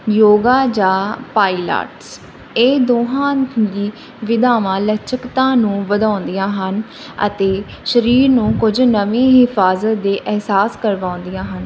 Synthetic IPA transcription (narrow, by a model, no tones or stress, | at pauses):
joːɡaːd͡ʒãːpaːiːla̰ːʈs | eːd̪oːɦãːliː | ʋɪd̪aːʋãːlət͡ʃʰəkt̪ãːnũːʋəd̪ãːnd̪ijãːɦən | ə̰t̪eːʃəɾiːɾnũːkʊd͡ʒnəʋẽːɦɪfʰaːzət̪̚d̪eːʔɛɦsaːskəɾʋãːʊ̃nd̪ijãːɦən